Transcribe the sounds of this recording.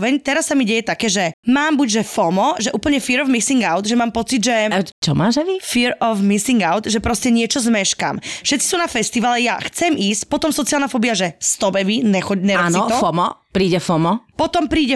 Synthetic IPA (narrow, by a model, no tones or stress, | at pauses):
ʋɛɲt̪ɛɾasːamiɟɛjɛt̪akɛːʒɛmaːmbuɟʒɛfɔmɔʒɛʔuːpl̩ɲɛfiɾɔvmisiŋɡaʊd̪ʒɛmaːmpɔt͡sid̪ʒɛt͡ʃɔma̰ːʒɛʋifiɾɔvmisiŋɡaʊt̪ʒɛpɾɔscɛɲɪɛt͡ʃɔzmɛʃka̰ːmfʃɛt̪t͡si̥sunafɛst̪iʋalɛjaxt͡sɛmʔiːscpɔt̪ɔmsɔt͡sialnafɔbiaʒɛst̪ɔbɛʋiɲɛxɔɟɲɛɾaːniɔɔɔmɔpɾiːɟɛfɔmɔpɔt̪ɔmpɾiːɟɛ